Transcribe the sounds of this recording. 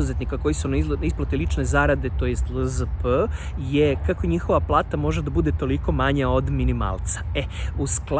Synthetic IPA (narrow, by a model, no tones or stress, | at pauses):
uzet̪nikako̞jisuniisplˠat̪elit͡ʃne̞zaːɾad̪e̞t̪o̞jest̪ləzəpəjekako̞ɲixo̞ʋaplˠaːt̪amo̞ʒed̪abud̪e̞t̪o̞liko̞maɲao̞d̪minima̰ːlˠt̪sḁeuskl